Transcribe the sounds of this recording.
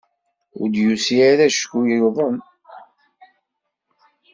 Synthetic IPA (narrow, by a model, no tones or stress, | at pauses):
ʊ̰ɾd̪jusiaɾæʃkujəðˤəm